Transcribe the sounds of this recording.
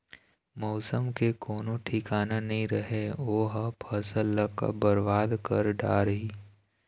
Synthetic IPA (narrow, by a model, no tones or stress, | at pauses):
mɔːsəmkekoːnoʈʰikaːnanɐɦĩɾɐɦeoːɦapʰɐsəlːəka̰bəɾʋaːd̪kəɾɖa̰ːɾəɦiː